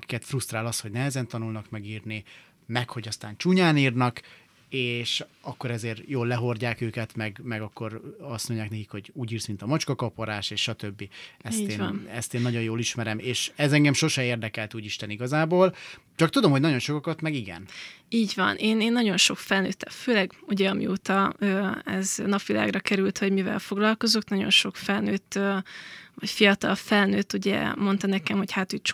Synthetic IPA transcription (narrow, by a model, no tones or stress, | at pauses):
ɒki̥kɛt̪frust̪raːlɒsho̞ɟnɛɦɛzɛnt̪ɒnulnɒkmɛɡiːrni | mɛkho̞ɟɒst̪aːnt͡ʃuɲaːniːrnɒk | eːʃɒkːo̞ɾɛzeːrjoːlːɛɦo̞rɟaːkøːkɛt̪mɛɡmɛɡɒkːo̞ɾɒsnuɲjaːknɛkikho̞ɟuːɟiːrsmint̪ɒmɒt͡ʃkɒkɒpoɾaːʃeːʃʃɒt̪ø̞bːiɛst̪eːn̰nɛst̪eːnːɒɟo̞jjoːliʃmɛɾɛmeːʃɛzɛŋɡɛmʃo̞ʃɛeːrd̪ɛkɛlt̪uːɟiʃt̪ɛniɡɒzaːboːl | t͡ʃɒkt̪ud̪o̞mhoɟnɒɟo̞nʃokɒkɒt̪mɛɡiɡɛ̰niːɟvɒ̰nʔeːneːnːɒɟo̞nʃo̞kfɛlnøːt̪ːɛføːlɛɡuɟɛɒmḭoːt̪ɒøːɛ̰znɒpʋila̰ːɡrɒkɛɾylt̪ho̞ɟmivɛ̰lfo̞ɡlɒlko̞zoknɒɟo̞̰nʃo̞kfɛlnøːt̪ːøvɒcfijɒt̪ɒ̰lfɛlnøːt̪ːuɟɛ̰mo̞nt̪ɒnɛkɛmho̞chaːt̪øct͡ʃ